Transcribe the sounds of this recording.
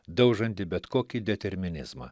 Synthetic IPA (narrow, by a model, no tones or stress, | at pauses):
d̪ɐʊʒɐnʲt̪ʲɪbʲɛt̪koːkʲid̪ʲɛt̪ʲɛɾʲmʲɪnʲɪ̰zmɐ̰